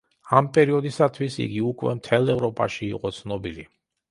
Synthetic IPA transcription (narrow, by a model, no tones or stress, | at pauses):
ampʼɛɾiɔd̪isat̪ʰwisḭɡiukʰʼwɛmt̪ʰɛlˠɛvɾɔpʼaʃḭːqʼɔt̪sʰnɔbili